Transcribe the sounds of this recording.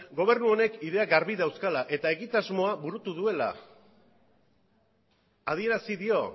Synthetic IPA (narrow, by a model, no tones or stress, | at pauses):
ɡo̞β̞e̞ɾnuo̞ne̞kiðe̞aɡaɾβiðawskalaʔe̞t̪ae̞ɣit̪azmo̞aβuɾut̪uðue̞la̰ | ð̞ie̞ɾasiðio̞